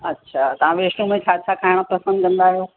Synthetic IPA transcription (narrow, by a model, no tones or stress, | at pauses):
ɐtːɕʰaːt̪ɐʋ̤ãʋeːʃʈũmẽt͡ɕʰaːt͡ɕʰaːkaːɦɪɽ̃pɐsə̃nd̪̚kɐ̃nd̪aːɦjoː